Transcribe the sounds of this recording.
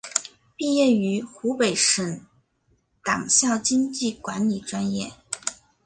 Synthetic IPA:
pi˥˧jɛ˥˩y˧˥xu˧˥pe˨˩ɪʂə˧˩n | t̪ɑ̰˨˩ŋɕjɑ˥˩ʊt͡ɕi˥ŋt͡ɕi˥˩kwa˧˥nli˨˩ʈ͡ʂwa˥njɛ˥˩

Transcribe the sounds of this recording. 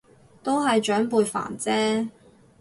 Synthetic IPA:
t̪o˥wɦɐ˨jt͡ʃœː˨˥ŋpuː˧jfa̰ː˨˩nt͡sɛː˥

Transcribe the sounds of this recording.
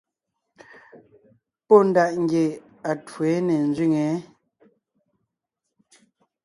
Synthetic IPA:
pɔ˦n̩˨da˨ʔŋ̩˦ɡje˨ | a˨twe˨˦nɛ˨nzɥi˦˨ŋɛ˨˦

